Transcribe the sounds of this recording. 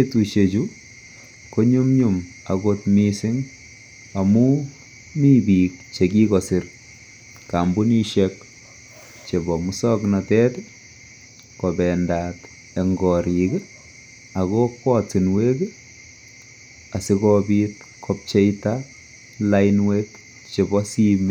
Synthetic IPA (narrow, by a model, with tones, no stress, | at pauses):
etu˨ʃe˨t͡ʃu˦ | ko˦ɲumɲum | a˨kotmisɪ˦ŋ | a˨mu | ni˦bi˨k̚t͡ʃeki˦kɔsɪ˨r | kambu˦ni˦ʃek | t͡ʃe˨bɔ˨mu˦sɔknatɛ˦tɛ | kɔ˨bɛ˨ndat | e˨ŋɡɔɾi˨ke | a˨kokwɔ˦t͡si˨nwe˦ke | a˨sikɔbit | kʰɔp̚t͡ʃe˦jta | laɪnwek | t͡ʃe˨bɔsi˦me